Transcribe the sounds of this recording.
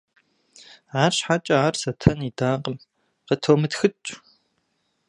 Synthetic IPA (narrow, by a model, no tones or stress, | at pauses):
ʕaːɕħat͡ʃʼɐaːrsɐtʰɐnidaːqəm | qətʰoːmɨtxɨt͡ʃʼ